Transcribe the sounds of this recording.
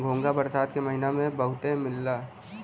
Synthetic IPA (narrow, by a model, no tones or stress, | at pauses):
ɡʱoːŋɡabɐɾsaːd̪kemɐɦɪnamẽbɐɦʊt̪ẽmɪlːaː